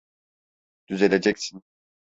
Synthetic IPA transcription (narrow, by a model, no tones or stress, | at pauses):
d̪̥yzelʲed͡ʒɛcsin